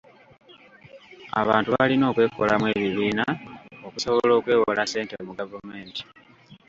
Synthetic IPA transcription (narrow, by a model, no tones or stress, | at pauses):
a̰βaːntuβalino̞ːkwe̞ːkʰolamwe̞βiβiːnao̞kuso̞βolo̞ːkwe̞ːwolase̞ːnteomuɡavume̞ːnti̥